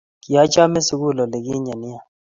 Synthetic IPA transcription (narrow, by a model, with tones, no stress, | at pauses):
kɪ˨a˦t͡ʃa˦mɛ˦su˦ku˦˨lɔ˨le˨kɪ˦ɲa˨nɪ˦a˦˨